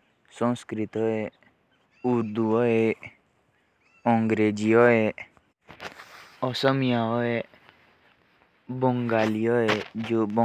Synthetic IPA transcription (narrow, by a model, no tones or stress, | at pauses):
sɔ̃ŋskɾit̪ɔe | uɾd̪uɔe | ɔŋɡɾed͡ʒiɔe | ɔsɔmijaɔe | bɔŋɡaliɔed͡ʒobɔ